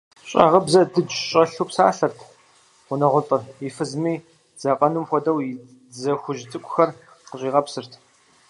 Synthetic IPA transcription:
ɕʼɐ̰ʁəbzɐdɨd͡ʒɕʼɐɬuːpsaːɬɐrtʰ | ʁʷʊnɐʁʷʊt͡sʼɐrjifɨzmiː | z̥ɐqʼɐnumxʷɔdɐw | zɐxʷʊʒt͡sʼɨkʷʼʊxɐr | qəɕʼiːʁɐpsɨrtʰ

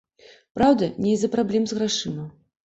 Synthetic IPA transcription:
pɾawd̪ɐnʲɛjzɐpɾablʲɛmzɣɾaʂɨnɐw

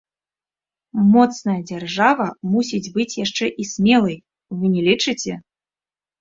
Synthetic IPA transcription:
mɔt̪snɐjɐd͡zʲarʐavɐmusʲid͡zʲbɨt͡sʲjaʂt͡ʂɛʔisʲmʲɛlˠɐj | vɨnʲɛlʲit͡ʂɨt͡sʲɛ

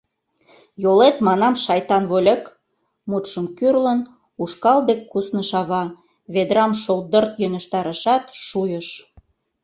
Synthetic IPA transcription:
jolet̪mɑnɑmʃɑjt̪ɑnβolʲek | mut̪ʃəmkyrlən | uʃkɑld̪ekʰːusnə̆ʃɑβɑ | βed̪ɾɑmʃold̪ərt̪jønʲə̆ʃt̪ɑɾə̆ʃɑt̪ʃujə̆ʃ

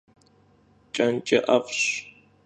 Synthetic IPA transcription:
t͡ʃʼɐnt͡ʃʼɐʔɐfɕ

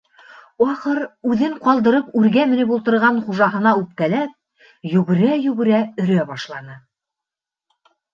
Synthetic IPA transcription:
ɑχɤɾʉðɘŋqɑlˠd̪ɤ̆ɾɤpʉɾɡæmɘ̆nɘpulˠt̪ɤ̆ɾʁɑnχuʒɑɦɤ̆nɑʉp̚kælæp̚ | jɵ̆ɡɘ̆ɾæjʉ̆ɡɘ̆ɾæɵ̆ɾæbɑʃlˠɑnɤ

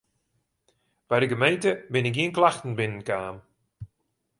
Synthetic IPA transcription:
b̥ajdəɡəmejntəbɪnɪk̬iənklaxtən̩bɪnənkaːm

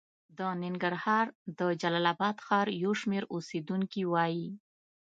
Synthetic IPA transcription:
d̪ənɪŋɡaɾhɑɾd̪əd͡ʒalalabɑd̪xɑɾjawʃmeɾosed̪uŋkiwɑji

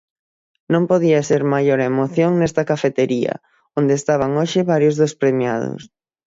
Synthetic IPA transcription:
nõmpoðiɐseɾmajoɾemoθjoŋnɛst̪ɐkafet̪eɾiɐ̰ | ond̪eːst̪aβ̞aŋoʃɪβaɾjozðospɾemja̰ðo̰s

